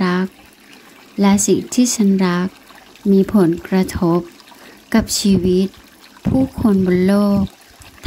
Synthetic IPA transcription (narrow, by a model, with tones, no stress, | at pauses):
a˦˥k̚ | lɛ˧˥si˨˩ŋt̪ʰiː˥˩˨sa˧nɾa˦˥k̚ | miː˧˥pʰo˨˦nkɾa˧t̪ʰo˦˥p̚ka˧˦p̚siː˧wi˦˥t̪̚ | pʰuː˥˩˨kʰo˧nboː˨˧˦nloː˥˩k̚ | t̪ʰ